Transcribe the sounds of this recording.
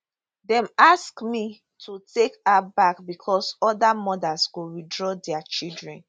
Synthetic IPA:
dɛ̃maskmi | tʰutekabakbikʰɔsɔdamɔdasɡoɹidɹɔdɛat͡ʃidɹɛ̰̃n

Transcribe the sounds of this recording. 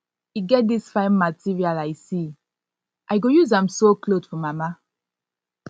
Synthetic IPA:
iɡɛt̚disfãɪ̃nmatʰiɹialaɪsi | ʔaɪɡojuzãmsoklosfɔmama

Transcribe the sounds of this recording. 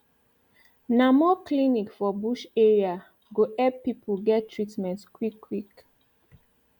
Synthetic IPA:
namɔklinikfɔbuʃɛɹia | ɡoʔɛpːipʰəɡɛttʰːɹitmɛ̃ntskwikʰːwik

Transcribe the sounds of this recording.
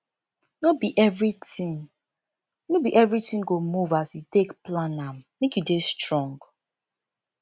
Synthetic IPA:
nobiʔɛvɹiti | nobiʔɛvɹitĩŋɡomuvazjutekplãnãmmekjudestɹɔ̃ŋɡ

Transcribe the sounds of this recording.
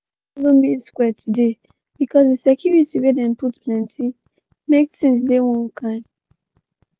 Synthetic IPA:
lõmiskwɛtʰude | b̥ikʰɔsdesɛkʰjuɹitiwedɛ̃nputpʰlɛ̃nti | mek̚tĩŋsdewɔ̃nkʰãɪ̃n

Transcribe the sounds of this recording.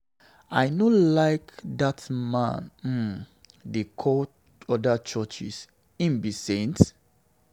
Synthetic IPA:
aɪnolaɪkdatmã̰nm̩ | dekʰɔ | ɔdat͡ʃɔt͡ʃḭs | ĩnbisẽnt

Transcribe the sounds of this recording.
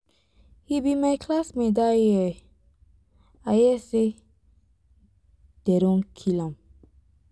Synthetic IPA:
hibimajkʰlasmedajɛ | ajɛse | d̥ɛɾɔ̃ŋkʰilãm

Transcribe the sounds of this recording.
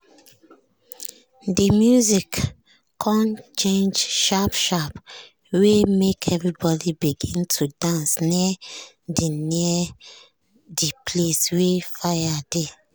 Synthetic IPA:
dimjuzik | kʰɔ̃nt͡ʃẽnd͡ʒʃapʃap | wemekʰɛvɹibɔdibiɡĩntʰudãnsni | diniə | dipʰleswefajade

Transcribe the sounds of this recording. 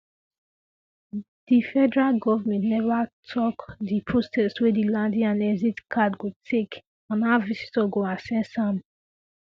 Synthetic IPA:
d̥ifɛdɛɹalɡɔvamɛ̃ntnɛvatʰɔkdipʰɹosɛswɛdilãndĩãnɛzitkʰadkutʰek | ãnavisi̥tɔɡoãsɛ̃nsãm

